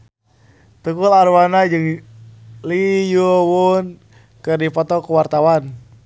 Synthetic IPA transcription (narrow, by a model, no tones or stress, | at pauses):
t̪ukularwanad͡ʒɨŋ | lijuwun | kɨrdipɔt̪ɔkuwart̪awan